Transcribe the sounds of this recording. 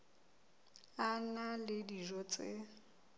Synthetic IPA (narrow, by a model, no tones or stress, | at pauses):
analɪdiʒɔt͡sʼeɪ̰